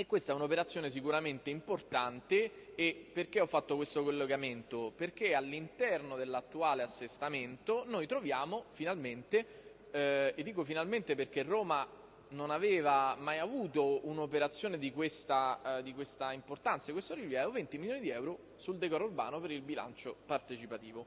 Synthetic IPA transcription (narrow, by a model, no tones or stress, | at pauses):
ekːwest̪aɛunopeɾat̪sːjoːnes̬ikuɾament̪eimport̪ant̪eːpːerkeɔfːat̪ːokwest̪okolːeɡament̪operk̟ealːint̪ɛrnod̪elːat̪ːuaːleasːest̪ament̪onojt̪ɾovjaːmofinalment̪e | d̪ːiːkofinalment̪eperk̟erːoːma | nonaveːvamajavuːt̪ounopeɾat̪sːjoːned̪ikwest̪ad̪ikwest̪aimport̪ant̪sakwest̪oɾiljavevovent̪imiljoːnid̪iɛwɾo | suld̪ekɔːɾurba̰ːnopeɾilbila̰nt͡ʃopart̪et͡ʃipat̪iːvo